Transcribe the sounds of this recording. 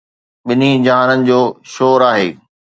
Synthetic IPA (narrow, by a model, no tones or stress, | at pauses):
ɓɪnid͡ʑaːnənɪ̆d͡ʑoːʃoːɾaːɦeː